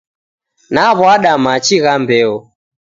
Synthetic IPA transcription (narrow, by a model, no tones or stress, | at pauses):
naβwaɗamat͡ʃiɣambɛɔ